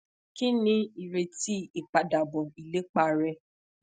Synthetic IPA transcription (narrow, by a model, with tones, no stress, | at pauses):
ki˦nĩ˧˦i˨ɾe˧ti˦i˨k͡pa˨da˨bɔ˨i˨le˨˦k͡pa˦˧ɾɛ˧